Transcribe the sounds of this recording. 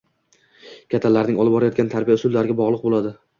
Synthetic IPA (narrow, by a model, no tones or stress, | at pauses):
kʲʰat̪ʰːalːaɾnɪŋɒlˠɪp̚bɒɾajɒt̪̚ɡʲant̪ʰaɾbijaʊsʊd̪laɾɪɡʲabɒʁlˠɨq̚bolˠad̪ɪ